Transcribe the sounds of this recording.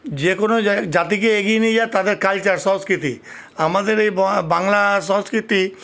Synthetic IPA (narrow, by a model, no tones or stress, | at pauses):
d͡ʑekonod͡ʑat̪ik̬eeɡinid͡ʑaet̪ad̪eɾkalt͡ɕaɾsɔ̃skɾit̪ḭ | amad̪eɾejbbaŋlaʃɔ̃skɾit̪i